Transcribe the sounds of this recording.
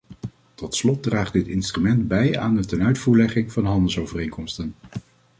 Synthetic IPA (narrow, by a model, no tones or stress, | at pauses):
tɔtslɔt̚draːχdɪtɪnstrymɛndbɛjaːndətɛnœɥtfuːɹlɛχɪŋv̥ɑnəɦɑndəlˠsowvərejnkɔmstən